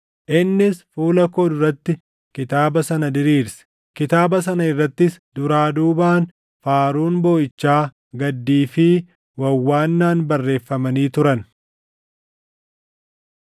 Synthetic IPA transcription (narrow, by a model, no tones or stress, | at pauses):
ʔɪnːɪsfuːlɐkoːd̪ʊɾɐt̪ːɪ | kɪt̪aːbɐsɐnɐd̪ɪɾiːɾsɛ̥ | kɪt̪aːbɐs̬ɐnɐɪrːɐt̪ːɪsd̪ʊɾaːd̪uːbaːn | faːɾuːnboːʔɪt͡ʃːaː | ɡɐd̪ːiːfɪ | wɐwːaːnːaːnbɐrːe̞ːfːɐmɐniːt̪ʊɾɐn